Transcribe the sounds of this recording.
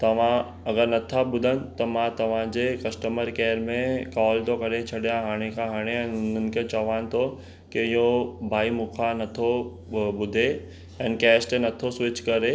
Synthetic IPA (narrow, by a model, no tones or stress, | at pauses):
t̪ɐʋ̤ã | ɐɡəɾnɐt̪ʰaɓʊd̪ʱənɪ̆t̪ɐmãt̪ɐʋ̤ãd͡ʑekɐsʈəməɾkɛːɾmẽkaːlt̪okɐɾet͡ɕʰɐɗijaɦaːɽ̃ekʰãɦaːɽ̃eɛ̃ːnʊnənɪ̆kʰet͡ɕɐʋaːnɪ̆t̪ʰo | keɪɦobʱaːimʊkʰanɐt̪ʰo | ɓʊd̪ʱe | ɛ̃ːnkɛːsʈenɐt̪ʰosʋɪt͡ɕkɐɾe